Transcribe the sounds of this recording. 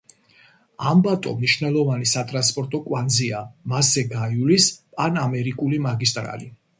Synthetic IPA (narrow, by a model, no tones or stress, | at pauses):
ambat̪ʼɔ̰mniʃvnɛlˠɔvanisat̪ʼɾanspʼɔɾt̪ʼɔkʼwand̪ziamasɛɡajulispʼanamɛɾikʼulimaɡist̪ʼɾa̰li